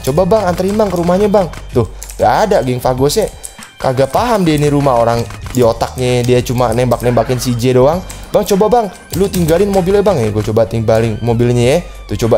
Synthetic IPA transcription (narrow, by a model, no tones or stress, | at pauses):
t͡ʃobabaŋant̪əɾinbaŋkəɾumahɲabaŋt̪ʊhŋɡaːdaɡɛŋfaɡosɲa | kaɡapaɦamdianiɾumaɦoɾaŋdiot̪ak̚ɲadiat͡ʃumanɛmbak̚nɛmbakɪnsid͡ʒedoaŋbaŋt͡ʃobabaŋ | lut̪iŋɡalɪnmobilɲabaŋɛɡuat͡ʃobat̪iŋbalɪŋmobɪlɲɛjɛ | t̪ʊht͡ʃoba